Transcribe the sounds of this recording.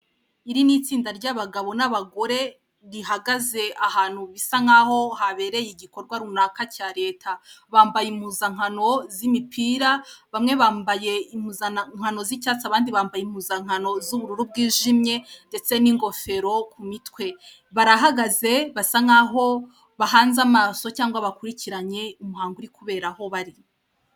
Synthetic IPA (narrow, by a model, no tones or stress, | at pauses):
iɾinit͡siːndaɾɟaβaɡaβo̞naβaɡo̞ɾe̞ | ɾiɦaɡaze̞ahaːn̥huβisaŋaho̞haβe̞ɾe̞jiɡiko̞ɾɡwaɾunakacaɾe̞ːtʰaβaːmbajimuːzaŋ̥ano̞zimipʰiːɾaβamŋe̞βaːmbaje̞imuzaŋ̥hano̞zicat͡saβaːndiβaːmbajimuzaŋ̥ano̞zuβuɾuɾub̚ɡiːʒimɲe̞nde̞t͡se̞niŋɡo̞fe̞ɾo̞kʰumitwe̞ | βaɾaɦaɡaze̞βasaŋaːɦo̞ | βaɦaːnzamaːso̞caːŋɡwaβakuɾiciɾaɲe̞umuɦaːŋɡuɾikuβe̞ːɾaho̞βaɾi